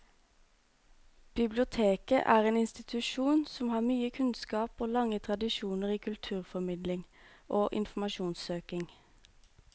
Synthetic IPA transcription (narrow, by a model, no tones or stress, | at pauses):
b̥ɪblɪʊt̪ʰeːkə̰ʔæːʁeːnɪnst̪ɪt̪ʰʉʃuːnsɔmhɑːmyːəkʰʉnskɑːpoːlɑŋət̪ʰʁɑd̪ɪʃuːnəʁiːkʰʉlt̪ʰʉːʁfɔmɪd̪lɪŋʔoːʔɪ̰nfm̩ɑʃuːnsøːkɪŋ